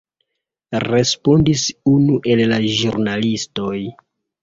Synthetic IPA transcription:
ɾe̞spo̞ndisunuʔe̞llaʒuɾnalisto̞j

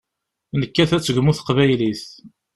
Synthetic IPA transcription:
nəkːæθæt͡sːəɡmuθə̥qvæjliθ

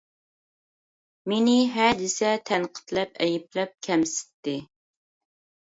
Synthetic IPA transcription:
menɪɦæd̪ɪsɛt̪ʰɛnqʰə̥t̪lɛpɛjɪplɛp̚kʲʰɛmsɪ̥t̪ːɪ

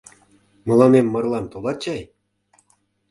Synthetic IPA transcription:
mɤ̆lˠɑnemːɤ̆rlˠɑmt̪olˠɑt͡ɕɑj

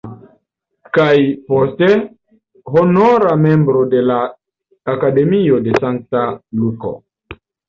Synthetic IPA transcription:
kajposte | ɦonoɾamembɾode̞laː | kade̞miode̞saŋk̚taluko̰

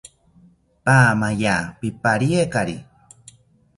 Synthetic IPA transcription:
paːmajapipaɾiekaɾi

